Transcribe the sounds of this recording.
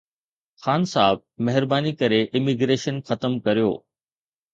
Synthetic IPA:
xaːnsaːb̚mɛɦɪɾbaːnikɐɾeʔɪmiɡɾeːʃənxɐt̪əmkɐɾijo̰ː

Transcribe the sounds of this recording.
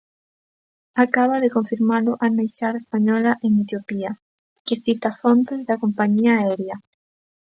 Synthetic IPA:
akaβaðekoɱfiɾmalʊʔanejʃaɾaespaɲɔlaʔeŋet̪jopia | keθit̪afont̪ezðakompaɲiaɛɾja

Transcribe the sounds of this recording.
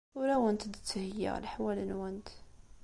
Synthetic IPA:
wɾæwənt̪d̪ə̥t̪ːəhəjːa̰lħwælənwænt̪

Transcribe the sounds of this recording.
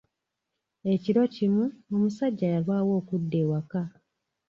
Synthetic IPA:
e̞ciɾo̞cimuo̞musaɟːajalwaːwo̞ːkudːe̞ːwaka

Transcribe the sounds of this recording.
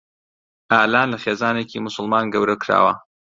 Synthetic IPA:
ʔaːlaːnlɐxeːzaːneːcimʊsʊlmaːnɡɐwɾɐkɾa̰ːwɐ

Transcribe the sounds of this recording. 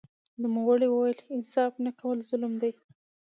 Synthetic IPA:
numawəɽiwəwajəlɪnsɑfnakawəlzʊlmd̪aj

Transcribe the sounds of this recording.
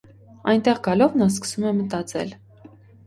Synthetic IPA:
ɑjnt̪ɛʁɡɑlɔvnɑs̬kə̥sumɛmət̪ɑt͡sɛ̰l

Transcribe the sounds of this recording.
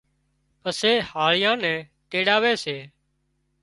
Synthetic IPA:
əseːhaːɭɪjãːnɛ̃ː | keːɽaːʋeːseː

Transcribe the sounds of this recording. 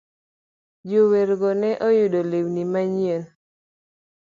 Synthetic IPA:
d͡ʒoweɾɡɔnɛʔɔjudolewnimaɲiel

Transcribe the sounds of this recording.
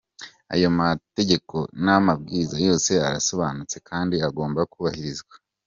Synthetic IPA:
a̰jo̞mate̞ɟe̞ko̞namab̚ɡiːzajo̞ːse̞aɾaso̞βanut͡se̞kʰaːndiaɡo̞ːmbakuːβahiɾizɡwḁ

